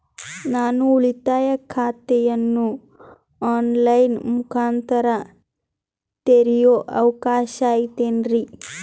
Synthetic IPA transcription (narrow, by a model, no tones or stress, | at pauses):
naːnuuɭit̪aːjɐkʰaːt̪ɛjɐnːu | aːnlɐjnmukʰaːnt̪ɐɾɐ | t̪eɾijoːʔɐʋɐkaːʃaːjit̪eːnɾi